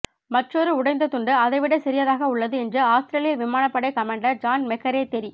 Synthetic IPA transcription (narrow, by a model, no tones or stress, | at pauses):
mɐʈrɔɾɯʊɽɐɪnd̪ɐt̪ʊɳɖɯɐðɐɪʋɪɽɐɪsɛɾɪjɐðaːɣɐʊɭːɐðɯɛndrɯaːst̪ɪɾeːlɪjɐlʋɪmaːnɐpːɐɽɐɪkɐmeːɳɖɐɾd͡ʒaːnmɛkːɐɾeːt̪ɛɾi